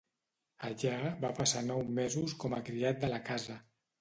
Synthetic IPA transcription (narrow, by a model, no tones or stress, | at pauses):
aʎaaβapasanɔwmezuskɔməkɾiat̪̚d̪əlakazə